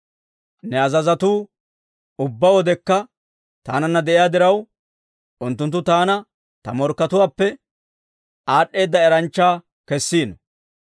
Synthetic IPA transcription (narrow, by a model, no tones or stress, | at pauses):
nɛɐzɐzɐt̪uː | ʊbːɐwɔd̪ɛkːɐ | t̪aːnɐnːɐd̪ɛʔɪjaːd̪ɪɾɐw | ʔʊnt̪ːʊnt̪̬ːʊt̪aːnɐ | t̪ɐmɔɾkːɐt̪ʊwaːpːɛ | aːɗːe̞ːd̪ːɐɛɾɐnt͡ʃːaː | kɛsːiːnɔ